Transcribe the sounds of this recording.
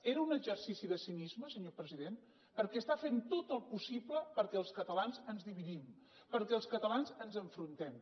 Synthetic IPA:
eɾəunəʒərsisiðəsinizməsəɲopɾəziðen | pəɾkɛəst̪afent̪ot̪əlˠpusibləpəɾkɛəlˠskət̪əlanzənzðiβiðim | pəɾkɛəlˠskət̪əlanzənzəɱfɾunt̪ɛm

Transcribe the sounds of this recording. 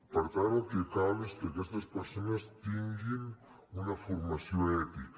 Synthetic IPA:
paɾt̪aɾokekaβeskeakest̪aspeɾsonast̪iŋɡin | unafoɾmasjoet̪ik

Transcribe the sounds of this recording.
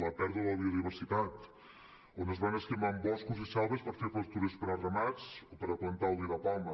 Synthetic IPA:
ləpɛɾðəðəβiuðiβ̞əɾsit̪at̪ | onəzβanəst̪imaəmbɔskuzisalˠβəspəɾfefəst̪uɾəspəɾərəmat͡sopəɾəplənt̪aəlˠd̪iðəpamə

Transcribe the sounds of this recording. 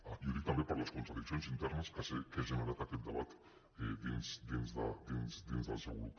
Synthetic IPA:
ajuɾikt̪ambepaɾlaskont̪ɾaðiksionsint̪eɾneskasekezemaɾat̪aket̪̚d̪aβat̪ | d̪insd̪enzd̪ad̪ensd̪enzd̪aseɣuu

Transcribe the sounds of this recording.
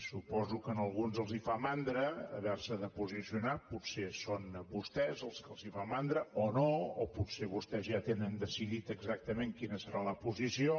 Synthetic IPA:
supɔzukənəlˠɣunzəlˠzifamand̪ɾə̰ːβɛɾsəðəpuzisiunaputsesonbust̪ɛzəlˠskəlˠzifamand̪ɾəonooput̪seβust̪ɛzʒat̪enənd̪əsiðit̪əɡzak̚t̪əmeŋkinəsəɾaləpuzisio

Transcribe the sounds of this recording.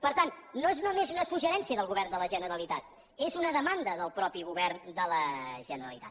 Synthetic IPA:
pəɾt̪annːoezunəmezunəsuʒəɾɛnsiəðəlˠɣuβɛrnd̪ələʒənəɾəlit̪at̪ | ezunəðəmand̪əðəlˠpɾɔpiɣuβɛrnd̪ələʒənəɾəlḭt̪a̰t̪

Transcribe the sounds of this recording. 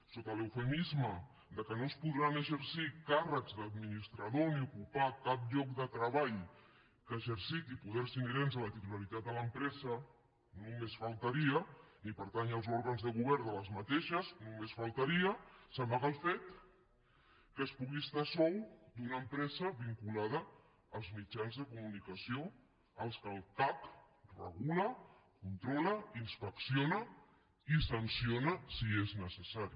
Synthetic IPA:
sot̪ələwfəmizmə | d̪əkənospuðɾanəʒəɾsikarəkzðəd̪minist̪ɾaðoniukupakap̚ʎɔk̚d̪ət̪ɾəβaʎ | kəʒəɾsit̪ipuðɛɾsinəɾenzələt̪it̪ulaɾit̪at̪̚d̪ələmpɾɛzə | nũmesfalˠt̪əɾiənipəɾt̪anəlˠzɔɾɣənzðəɣuβ̞ɛɾd̪ələzmət̪eʃəznumesfalˠt̪aɾiəsəmaɣəlˠfet̪ | kəspuɣist̪asɔwd̪unampɾɛzəβiŋkulað̞əː | lˠzmid͡ʒanzðəkumunikasio | əlˠskəlˠt̪ak | rə̰ɣuləkunt̪ɾɔləinspəksionə | isansionəsieznəsəsaɾi

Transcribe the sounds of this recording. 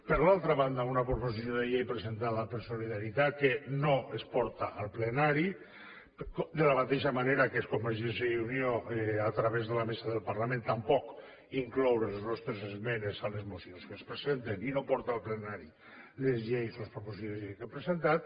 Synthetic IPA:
pəɾlalˠt̪ɾaβand̪aunapɾoposisjoðeʎejpɾəzent̪alapeɾsoliðaɾit̪at̪kenoespɔɾt̪aʔːlˠplenaɾi | kd̪əlamat̪eʃamaneɾakeskomeɾʒenseunioat̪ɾaβezðəlamesaðəlˠpaɾlamẽnt̪ampɔk | iŋklɔwɾelˠznɔst̪ɾezezmenezalezmusionskespɾezent̪eninopɔɾt̪aːlˠplenaɾi | lezʎejsospɾoposisoðeʎejkepɾezent̪at̪̚

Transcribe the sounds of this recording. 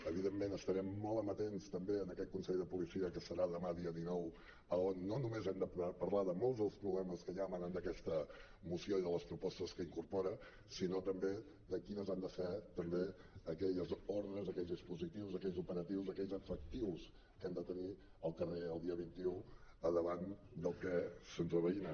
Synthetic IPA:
əβiðemːenəst̪əɾɛmːɔlˠəmət̪enst̪əmbeənəkɛt̪̚kunsɛʎðəpulisiəkəsəɾaðəmaðiəðinɔw | əonːonumezɛmd̪əpəɾlaðəmɔlˠzðəlˠspɾuβlɛməskəʎamanənd̪əkɛst̪ə | musioiðələspɾupɔst̪əskəiŋkurpɔɾə | sinot̪əmbe | d̪əkinəzand̪əfet̪əmbe | əkɛʎəzoɾðɾəzəkɛʎzðispuzit̪iwzəkɛʎzupəɾət̪iwzəkɛʎzəfək̚t̪iws | kɛmd̪ət̪əni | əlˠkəreəlˠd̪iəβint̪iuəðəβand̪əlˠkɛsənzəβəinə

